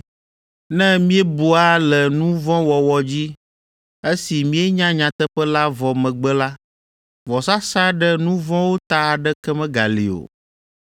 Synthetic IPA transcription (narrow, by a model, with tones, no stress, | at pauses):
nɛ̃˦mĩ˦ɛ˦bu˨a˦lɛ˨nũ˦vɔ̃˦wɔ˨wɔ˨d͡ʑi˦ | e˦si˨mĩ˦e˦ɲã˦ɲã˨t̪ɛ˦ɸɛ˦la˦vɔ˨mɛ̃˨ɡ͡bɛ˦la˦ | vɔ˨sa˦sa˦ɖɛ˦nũ˦vɔ̃˦wo˦t̪a˦˨ɖɛ˦kɛ˦mɛ̃˦ɡa˨lḭ˨o̰˨